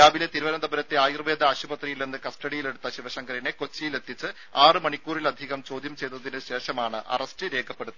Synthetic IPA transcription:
aːbile̞t̪iɾuʋɐnɐnd̪ʱɐbɐɾɐt̪ːeaːjirʋeːd̪ɐaːɕubɐt̪rijilnenːɨkɐsʈɐɽijile̞ɽut̪ːɐɕiʋɐɕɐŋɡɐɾɐneko̞t͡ɕːijile̞t̪ʰːit͡ɕːɨ | aːrɨmɐɳikʲːuːrilɐd̪ʱiɣɐmt͡ɕo̞ːd̪jɐmt͡ɕe̞jt̪ːɐðinɨɕe̞ːʂɐmaːɳɨʔɐ̰rɐsʈɨɾe̞ːkʰɐpːe̞ɽut̪ːɐ

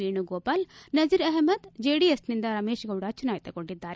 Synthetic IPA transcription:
iːɳuɡoːbaːlnɐd͡ʒiɾɐɦmɐd̪d͡ʒeːɖiesnind̪ɐɾɐmeːʃɐɡɐuɽɐt͡ʃunaːjit̪ɐkoɳɖid̪ːaːɾe

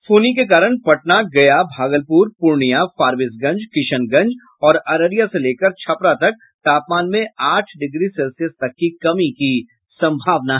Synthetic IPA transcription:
fʰoːnik̬ek̬aːɾəɽ̃pɐʈ̚naɡɐjabʱaːɡəlpuːɾpʊɾɳijafaːɾʋɪsɡɐ̃ɲd͡ʒkɪʃənɡɐ̃ɲd͡ʒ | ɔːɾɐɾəɾijaseleːkəɾt͡ʃʰɐpɾat̪ɐk̚ | t̪aːpmaːnmẽaːʈʰɖɪɡɾisɛlsijəst̪ɐkːikɐmiki | sɐ̃mbʱaːʋnaɦ

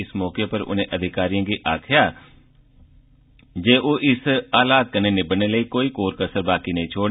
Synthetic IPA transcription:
ɪsmɔːkepəɾʊ̰nẽːʔəd̪ʱɪkaːɾijãːɡiːʔaːkʰɪjaː | d͡ʒeːʔoːʔɪsaːlaːd̪̚kəneːnebəneːləiːkoːiːkoːɾkəsəɾbaːkinə̃ĩt͡ʃʰoːɽ

